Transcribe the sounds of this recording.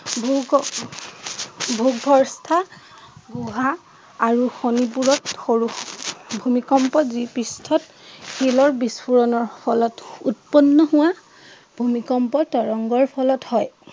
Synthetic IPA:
bʱuɡ | bʱuɡbʱɔɹstʰa | ɡuɦaː | ɹuxonip̬uɹɔtxoɹuxbʱumikɔmpɔzipɹistʰɔt | xilɔɹbispʰuɹɔnɔɹpʰɔlɔtutpɔnːɔɦʊwa | bʱumikɔmpɔtɔɹɔŋɡɔɹpʰɔlɔthɔj

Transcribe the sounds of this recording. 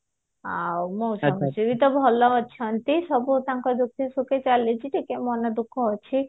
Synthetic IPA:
awmowsɔmsebit̪ɔbʱɔlɔɦɔt͡ʃʰɔnt̪isɔbut̪aŋkɔd̪uk̚t̪isuket͡ʃalet͡ʃʰiʈʰikemɔnɔd̪ukʰːɔɦɔt͡ʃʰi

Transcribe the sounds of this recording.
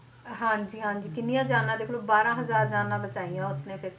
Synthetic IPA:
ɦãːɲd͡ʒiːɦãːd͡ʒiːkɪnɪjãːd͡ʒaːnãːd̪eːklõːbaːɾãːɦəzaːɾd͡ʒaːnãːbət͡ʃaːijãːʊsnẽːpʰɪɾ

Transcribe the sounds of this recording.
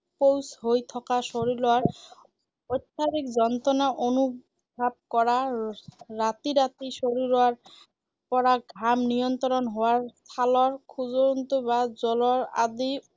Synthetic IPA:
powsɦojt̪ʰɔkaʃoɾiɾoaɾ | ot̪ːɕʰaɾikd͡ʑɔnt̪ɾonaʔonu | bʱab̚kɔɾa | ɾat̪iɾat̪iʃoɾiɾoaɾ | pɔɾaɡʱɾamnijont̪ɾonɦɔoaɾt̪ʰalɔɾkʰud͡ʑoɾont̪obad͡ʑɔloɾa̰d̪i

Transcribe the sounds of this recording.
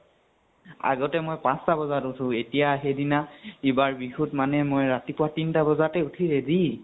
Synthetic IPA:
a̰ɡɔtɛmojpãstabɔzatutʰʊ̃etijaxedinaibaɹbixutmanɛmojɹatipʊwatintabɔzatɛutʰiɹedi

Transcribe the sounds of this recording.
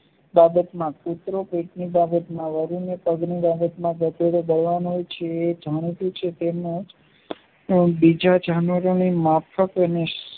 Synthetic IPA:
babət̪mãkut̪ɾopeʈnibabət̪mãʋəɾunepəɡnibabət̪mãɡət̪eɾobəɽʋanɦojt͡ʃʰeːd͡ʒʱaɽ̃it̪ũt͡ʃʰet̪emnũd͡ʒ | bid͡ʒad͡ʒʱanʋəɾonimapʰəkənes

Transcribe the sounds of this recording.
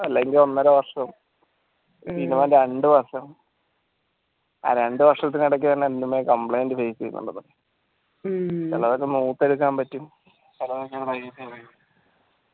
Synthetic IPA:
ɐlːeŋɡilo̞nːɐɾɐʋɐrʂɐm | siːnːimaːnɾeɳɖɨʋɐrʂɐm | a̰ːɾe̞ɳɖɨʋɐrʂɐt̪̬ːiniɽɐk̬ːit̪ɐnːeɐndumːekɐmpɭɐjndɨfeːst͡ɕejṵnːṵɳːɐt̪ːɐðe | t͡ɕɐlːɐðok̬ːenuːt̪ːeɽuk̬ːaːmpɐtːum | t͡ɕɐlːɐðokːeɾɐjɐt̪ːeɐju

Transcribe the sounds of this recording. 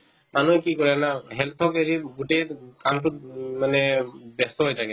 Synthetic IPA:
manuɛkikɔɹɛnaɦɛlt̪ʰɔkeɹiɡutekantʊt̚manɛbɛstɔɦojtʰaɡɛ

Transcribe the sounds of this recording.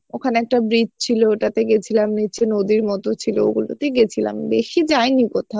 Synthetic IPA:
okʰaneɛk̚ʈabɾid͡ʑt͡ɕʰiloeʈat̪eɡet͡ɕʰilamnit͡ɕʰenod̪iɾmɔt̪ot͡ɕʰilo̰ḛɡulo̰t̪eɡet͡ɕʰila̰md̪ekʰid͡ʑajnikot̪ʰa

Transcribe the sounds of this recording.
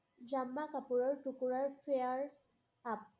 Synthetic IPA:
d͡ʒamːakapuɹɔɹtukuɹaɹfʰejaɹ | ap̚

